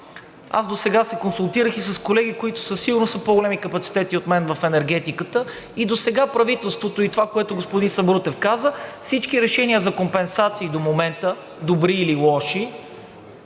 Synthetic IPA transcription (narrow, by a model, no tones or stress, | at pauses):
a̰zd̪osɛɡasɛkonsulˠt̪iɾəxisɐskolɛɡ̟ikoit̪ʊ̥səsiɡʊɾnosəpoɡolɛmikəpɐt̪si̥t̪ɛt̪iot̪mɛnvəfɛnɛɾɡ̟ɛt̪ikət̪ə | id̪osɛɡapɾɐvit̪ɛlˠst̪vot̪oit̪ovakoɛt̪ʊɡospʊd̪insɐbɾut̪ɛfkazəfsit͡ʃkiɾɛʃɛnʲiəzɐkompɛnsat̪siːd̪omomɛnt̪ə | d̪obɾiːlilˠɔʃi